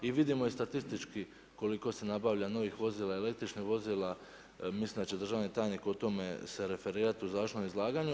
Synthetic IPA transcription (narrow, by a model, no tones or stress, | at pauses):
iʋid̪imo̞ist̪at̪ist̪it͡ʃki | ko̞liko̞se̞nabaʋʎano̞ʋixʋo̞ziːlˠaele̞kt̪ɾit͡ʃnixʋo̞ziːla | mislimd̪at͡ɕe̞d̪ɾr̩ʒaːʋnit̪aːjnikot̪o̞me̞̰se̞ɾe̞fe̞ɾiːɾat̪iuzaːʃnomizlˠaːɡaɲu